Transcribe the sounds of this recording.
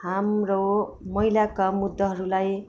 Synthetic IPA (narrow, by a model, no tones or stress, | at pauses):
hamro | mʌilakamud̪ʱːʌɦʌɾulaj